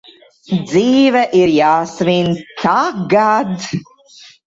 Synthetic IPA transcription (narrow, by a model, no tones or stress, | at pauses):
d̪ziːvɛʔiɾjaːsvinkʰaɡad̪